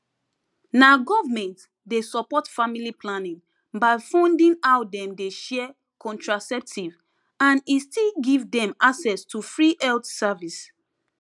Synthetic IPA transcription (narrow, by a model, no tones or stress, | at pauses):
naɡɔvamɛ̃nt | desɔpɔtfamiliplãnĩŋ | baɪfɔ̃ndĩnawdɛ̃mdeʃɛ | kʰɔ̃ntɹasɛp̚tʰiv | ãnistilɡivdɛ̃maksɛstʰufɹiʔɛltsavis